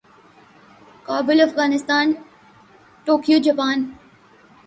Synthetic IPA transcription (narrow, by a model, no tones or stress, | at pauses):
kaːbɪlɐfɣaːnɪst̪aːn | ʈoːkijod͡ʑɐpaːn